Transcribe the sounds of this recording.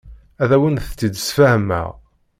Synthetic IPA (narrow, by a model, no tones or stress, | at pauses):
æðæwənθə̥t͡sːid̪əsfæhəmæ̰ʁ